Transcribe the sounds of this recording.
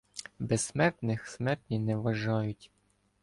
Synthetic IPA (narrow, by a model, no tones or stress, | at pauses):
bɛssmɛrt̪nɪxsmɛrt̪ʲnʲinɛʋɐʒɑjʊtʲ